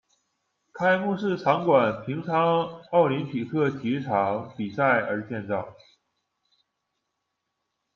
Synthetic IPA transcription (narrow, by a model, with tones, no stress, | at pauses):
kʰa˥ɪmu˥˧ʂɻ̩˥˩ʈ͡ʂʰɑ˧˥ŋkwa˨˩npʰi˧˥ŋʈ͡ʂʰɑ˥ŋɑ˥˩ʊli˧˥npʰi˨˩kʰɤ˥˩t͡ɕ̪ʰi˧˥ʈ͡ʂʰɑ˧˥ŋpi˨˩sa˥˩ɪʔə˞˧˥t͡ɕjɛ˥˧nt͡sɑ˥˩ʊ